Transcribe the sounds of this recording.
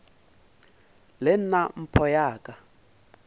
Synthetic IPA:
lɛn̩nam̩pʰɔjaːkʼa

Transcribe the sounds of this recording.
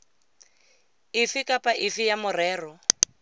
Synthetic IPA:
ɪfɪkʼapʼaʔɪfɪjamʊrɛːrɔ

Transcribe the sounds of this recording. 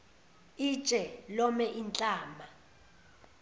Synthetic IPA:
i̥t͡ʃʼɛlɔmɛʔint͡ɬʼaːma

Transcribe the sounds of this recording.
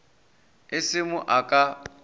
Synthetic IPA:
ɪsɪmʊʔakʼa

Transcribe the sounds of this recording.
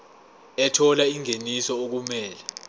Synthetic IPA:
ɛtʰɔlaiŋenisɔok̬umɛːlɛ

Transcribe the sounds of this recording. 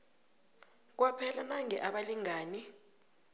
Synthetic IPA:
k̬wapʰɛlanaŋɛʔaɓaliŋaːni

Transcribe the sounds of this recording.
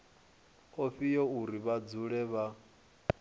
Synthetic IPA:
oɸijɔuɾiβad͡zuɺɛβa

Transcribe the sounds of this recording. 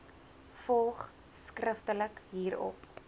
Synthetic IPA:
fɔlˠχ | skrəftələkɦiːɾɔ̰p

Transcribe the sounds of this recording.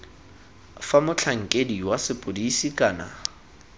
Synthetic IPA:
famʊt͡ɬʰaŋ̩kʼediwasɪpʼodisikʼaːna̰

